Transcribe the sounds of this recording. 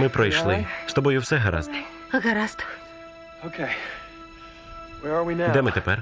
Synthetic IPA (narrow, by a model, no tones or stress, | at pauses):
mɪpɾɔjʃlˠɪst̪ɔbɔjʊwsɛɦɐɾa̰znɛ | ɐɣɐɾast̪ʊ̥ | oʊkʰeɪ | wɛɹəwinad̪ɛmɪt̪ɛpɛr